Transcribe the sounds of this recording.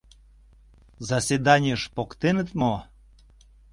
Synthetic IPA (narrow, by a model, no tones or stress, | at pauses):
zɑsed̪ɑnʲiəʃpokt̪enət̪mo